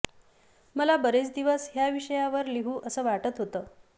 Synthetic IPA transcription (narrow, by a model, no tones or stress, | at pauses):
məlabəɾet͡sd̪iʋəsɦjaʋiʂəjaʋəɾliɦuːʔəsəːʋaʈət̪ɦot̪əː